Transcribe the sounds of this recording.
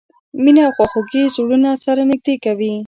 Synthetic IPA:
minaːwxwaxuɡezuɽunasaɾanɪɡ̚d̪ekawi

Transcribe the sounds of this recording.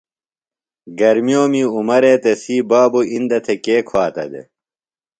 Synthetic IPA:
ɡɐɾmijoːmiumɐɾeːt̪esiːbaːbuind̪ɐt̪ʰekeːkʰwaːt̪ɐ̰d̪ḛ

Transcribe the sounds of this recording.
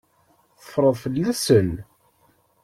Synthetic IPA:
θə̥fɾˤəðˤfəlːæsən

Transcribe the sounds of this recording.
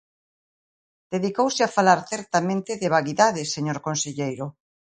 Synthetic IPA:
d̪̥eðikowsɪafalaɾθɛɾt̪amẽnt̪ɪðɪβ̞aɣiðaðɪseɲoɾkonseʎejɾʊ

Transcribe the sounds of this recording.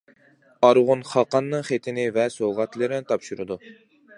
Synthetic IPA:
ɑɾʁʊnχɑqɑnːɨŋχet̪ʰɪnɪvɛsoʁɑt̪lˠɨɾɪnɪt̪ʰɑpʃuɾɨd̪u

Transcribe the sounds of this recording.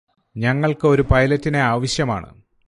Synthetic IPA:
ɲɐŋːɐɭkɨo̞ɾupɐjlɐtːineaːʋɐɕjɐma̰ːɳɨ̰

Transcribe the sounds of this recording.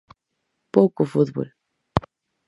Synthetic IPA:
powkʊfuðβo̰l

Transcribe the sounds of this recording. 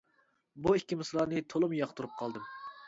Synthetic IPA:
buikʲːimɨslˠɑːnɨt̪ʰolˠumjɑqt̪ʰuɾup̚qʰɑlˠd̪ɨm

